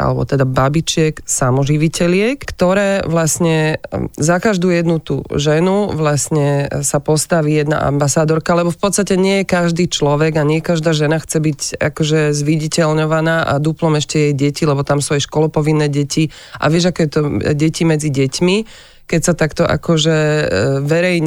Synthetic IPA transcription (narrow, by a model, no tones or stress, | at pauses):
ʔa̰lɛ̰bɔ̰t̪ɛd̪ababit͡ʃɪɛksamɔʒiʋicɛlɪɛkkt̪ɔɾɛːʋlasɲɛzakaʒd̪uːjɛd̪nut̪ṵʒɛnuʋlasɲɛsapɔst̪aʋijɛd̪na̰ʔa̰mbasaːd̪ɔɾkalɛbɔfpɔt̪st̪acɛɲɪɛjɛkaʒd̪iːt͡ʃlɔʋɛɡaɲɪɛjɛkaʒd̪aːʒɛnaxt͡sɛbiɟa̰kɔʒɛzʋiɟicɛlɲɔʋanaːʔa̰d̪uplɔmɛʃcɛjɛjɟɛcilɛbɔt̪amsuajɛʃkɔlɔpɔʋinːɛːɟɛci | ʔa̰ʋɪɛʒakɔjɛt̪ɔɟɛcimɛd͡ziɟɛcmi | kɛcsat̪akt̪ɔʔa̰kɔʒɛʋɛɾɛjɲ